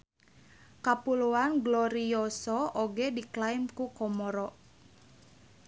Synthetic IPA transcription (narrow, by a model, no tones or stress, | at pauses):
kapuluanɡlɔɾiɔsɔʔoɡediklajmkukɔmɔɾɔʔ